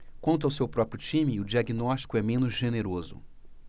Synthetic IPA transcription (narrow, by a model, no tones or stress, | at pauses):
kwɐ̃nt̪ʊawsewpɾɔpɾijʊt͡ʃĩmɪʊd͡ʒiaɡinɔsʃt͡ʃi̥kʊɛmẽnʊzʒeneɾozʊ̰